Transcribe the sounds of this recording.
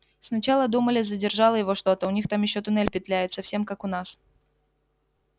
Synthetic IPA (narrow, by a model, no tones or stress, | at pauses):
snɐt͡ɕalˠəd̪uməlʲɪzədʲɪrʐɑlˠəjɪvo̞ʂt̪o̞t̪əʊnʲixt̪amjɪɕːot̪ʊnɛlʲpʲɪt̪lʲæjɪt̪səfsʲe̞mkakʊnas